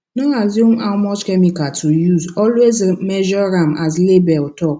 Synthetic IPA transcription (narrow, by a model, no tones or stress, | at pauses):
nɔazjumawmɔt͡ʃkɛmikatʰujuzɔlwezmeʒɔɾamazlebɛltɔk